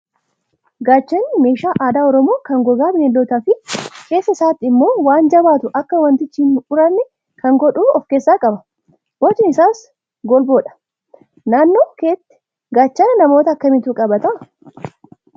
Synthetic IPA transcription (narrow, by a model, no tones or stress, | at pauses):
ɡaːt͡ʃːɐnɪme̞ːʃaːʔaːd̪aːɔɾɔmo̞ːkɐŋɡɔɡaːbɪnɛlɔt̪ɐfɪke̞ːsːɐɪsaːt̪ːɪɪmːo̞ːwaːnd͡ʒɐbaːt̪ʊʔɐkːɐwɐnt̪ɪt͡ʃːiːnʔʊɾɐnːɛ | kɐŋɡɔᶑuːɔfkeːsːaːkʼɐbɐ | wɔt͡ʃːɪnɪsaːs | ɡɔlboːᶑɐ̥ | naːnːo̞ːkeːt̪ː | ɡaːt͡ʃːɐnɐmo̞ːt̪ɐːkːɐmɪt̪ukʼɐbɐt̪ɐ